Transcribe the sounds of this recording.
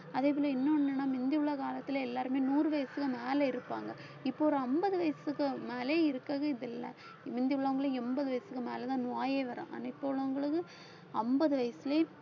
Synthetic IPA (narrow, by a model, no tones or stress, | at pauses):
ɐðeːp̬ɔlɐɪnːɐɐnːɐnːaːmɪnd̪ɪʊɭːɐːkaːlɐt̪ːɪlɛlːaːɾɯmeːnuːrɯʋɐjɐsɯkːɯmeːlɐɪɾɯpːa̰ːŋɡɐ | ɪpːoːɾɐɐmbɐðɯʋɐjɐsɯkːɯmeːleːɪɾɯkːaːɣɐɪðɛlːɐ̰ | mɪnd̪ɪʊɭːɐːɐŋɡɐɭɯɛmbɐðɯʋɐjɐsɯkːɯmeːlɛt̪ãːnʊaːjeːʋɐɾã̰ːʔa̰ːnːaɪpːoːɭɐʋɐŋɡɐɭɯkːɯ | ɐmbɐðɯʋɐjɐsɪle